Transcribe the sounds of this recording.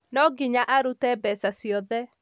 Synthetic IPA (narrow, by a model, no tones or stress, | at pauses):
nɔɡiɲaʔaɾutɛbɛsasjɔðɛ